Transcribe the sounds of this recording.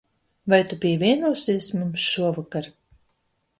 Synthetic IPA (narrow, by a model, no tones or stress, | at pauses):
vajt̪upʲiɛvʲiɛnuɔsiɛsmumsʃuɔvakaɾ